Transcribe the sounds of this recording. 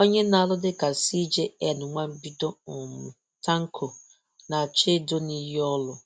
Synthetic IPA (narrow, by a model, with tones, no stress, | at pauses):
o˦ɲe˦na˨lʊ˦dɪ˦ka˨si˦d͡ʒe˦ɛ˨nʊ˨ŋʷa˦m̩˦bi˦do˦ʊ˨m̩˨ | ta˦ŋ̩˦kʰo˨ | na˨t͡ʃe˦do˦ni˦ɦi˦ɔ˦lʊ˨